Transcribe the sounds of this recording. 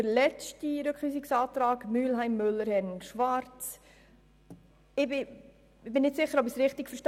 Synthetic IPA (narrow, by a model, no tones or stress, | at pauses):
əɾlɛt͡ʃtiɾøkχyːsiksɑːtɾɑːɡmyːlɦæɪmːʏlːəɾhɛnʃʋɑɾt͡s | ɪbɪ | ɪbɪnɪtsɪχːəɾɔbɪsɾɪχtikfəʃt